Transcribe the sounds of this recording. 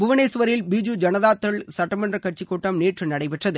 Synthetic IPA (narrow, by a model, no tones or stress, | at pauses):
bʊʋɐneːsʋɐɾɪlbiːd͡ʒud͡ʒɐnɐðaːt̪ːɐɭsɐʈːɐmɐndrɐkɐʈ̚t͡ʃikːoːʈːɐmneːʈrɯnɐɽɐɪpɛʈrɐðɯ